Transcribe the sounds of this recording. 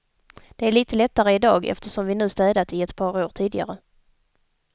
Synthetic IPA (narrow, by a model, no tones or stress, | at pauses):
d̪̥ɛæɭiːt̪əlɛt̪ːaɾəɪd̪ɑːɡɛ̰ft̪əʂɔmvɪnʉ̟ːst̪ɛːd̪at̪ɪɛt̪pʰɑːɾoːʈʰiːd̪ɪɡa̰ɾə